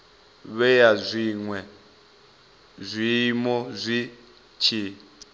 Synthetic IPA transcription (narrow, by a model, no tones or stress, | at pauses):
βɛjazʷiŋwɛ | zʷimɔzʷi | t͡ʃʰi